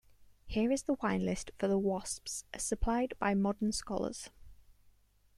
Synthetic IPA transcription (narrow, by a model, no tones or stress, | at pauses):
hɪəɹɪzðəwãɪ̃nlɪstfəðəwɒspsə̥səpʰl̥aɪdbaɪmɒdənskɒlə̰z̥